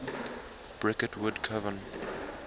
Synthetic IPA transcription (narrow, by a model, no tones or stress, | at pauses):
b̥ɹɪkətʰwʊdkʰʌvə̃n